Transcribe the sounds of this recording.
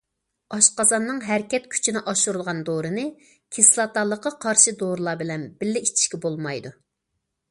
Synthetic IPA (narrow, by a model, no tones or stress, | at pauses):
ɑʃqɑzɑnːɨŋɦæɾkʲɛt̪̚kʲʰy̥t͡ʃʰinɪʔɑʃuɾulˠʁɑnd̪oɾɨnɨ | kʲʰislˠɑt̪ɑlˠːəqːɑqʰɑɾʃɨd̪oɾɨlˠɑːbɪlɛnbɪlːɪit͡ʃʰi̥ʃkʲɛbolˠmɑjd̪u